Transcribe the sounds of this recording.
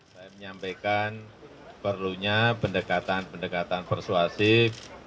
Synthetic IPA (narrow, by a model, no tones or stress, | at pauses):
sajaməɲampekan | pərluɲapəndəkat̪anpəndəkat̪anpərsuasi